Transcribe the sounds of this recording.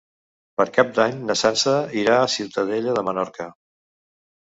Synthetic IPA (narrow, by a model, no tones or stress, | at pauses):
pəɾkab̚d̪aɲnəsansəiɾaːsiwt̪əðeʎəðəmənɔɾkə